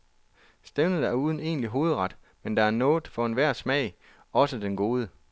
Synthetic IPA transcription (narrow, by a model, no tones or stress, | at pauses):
sd̥emnəæɐuːð̞ˠn̩e̝̰ːnliɦo̝ːð̞̩ˠʁɑ̈d̥ | mend̥ɑ̈æɐnɔ̽ːð̩ˠfɒ̽e̝nʋæɐ̰smɛ̰ɪ | ɒ̽səd̥enɡ̥o̝ːð̞ˠə